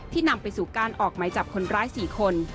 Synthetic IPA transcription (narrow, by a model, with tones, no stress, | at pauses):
t̪ʰiː˥˩na˧mpa˧jsuː˨˩kaː˧nʔɔː˨˩k̚ma˨˦jt͡ɕa˨˩p̚kʰo˧nɾaː˦˥jsiː˨˩kʰo˧n